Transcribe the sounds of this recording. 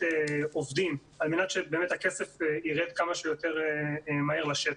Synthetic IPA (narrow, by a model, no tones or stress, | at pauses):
eovd̪im | almenat̪ʃebe̞ːmet̪hakesefeiʁet̪kamaʃujot̪e̞ʁemaiʁlaʃe